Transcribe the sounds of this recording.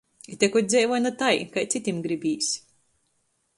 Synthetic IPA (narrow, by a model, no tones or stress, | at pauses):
it̪ʲɛkɔt̪̚ʲd̪zɛjvɔjnat̪ajkajt̪sit̪ʲimɡɾibʲiːsʲ